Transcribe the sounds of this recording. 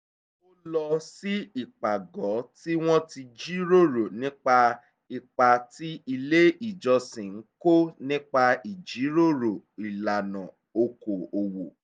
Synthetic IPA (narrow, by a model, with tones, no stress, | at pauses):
o˦lɔ˧si˦i˨k͡pa˨ɡɔ˨˦ti˦w̃ɔ̃˦ti˧d͡ʒi˦ɾo˦˨ɾo˨nĩ˦k͡pa˧ | i˨k͡pa˧ti˦i˧le˦i˨d͡ʒɔ˧sĩ˨ŋ̩˦ko˦nĩ˦k͡pa˧i˨d͡ʒi˨˦ɾo˦˨ɾo˨i˨la˨nã˨ | o˧ko˨o˨wo˨